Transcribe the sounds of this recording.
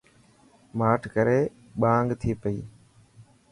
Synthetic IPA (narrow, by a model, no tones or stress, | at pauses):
maːʈʰkəɾeː | ɓãːŋɡt̪ʰiːpəḭː